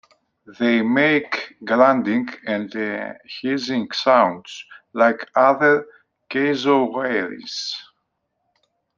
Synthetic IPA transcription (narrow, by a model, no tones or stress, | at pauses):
ðeɪmeɪkɡlãndĩŋɡɛ̃ndhizĩŋsãw̃ndslaɪkʰaðə˞ | keɪzoweɪɹḭs